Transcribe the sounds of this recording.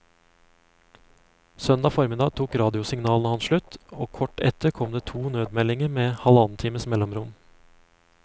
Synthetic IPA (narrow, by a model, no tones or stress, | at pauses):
sœnd̪ɑːfɔɾmɪd̪ɑːt̪ʰuːkɾɑːd̪ɪʊsɪŋnɑːlnəhɑnʃɭʉt̪oːkʰɔʈɛ̰t̪əɾkʰɔmd̪eːt̪ʰuːnøːd̪mɛlɪŋəɾmeːhɑlɑnn̩t̪ʰiːməsmɛlɔmɾʊm